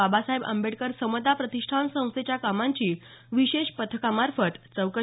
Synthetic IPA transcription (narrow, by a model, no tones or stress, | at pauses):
abasaɦebə̰mbeʈkəɾsəmət̪apɾət̪iʂʈʰansə̃w̃st̪et͡ɕjakamaɲt͡ɕiː | ʋiɕeɕpət̪ʰkamaɾfət̪t͡səwkə